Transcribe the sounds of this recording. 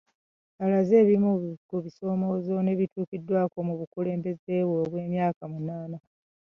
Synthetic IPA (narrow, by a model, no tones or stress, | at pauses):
alaze̞ːβimukuβiso̞ːmo̞ːzo̞ne̞βituːkidːwaːko̞muβukule̞ːmbe̞ze̞ːβwo̞ːβwe̞ːmjaːkamunaːna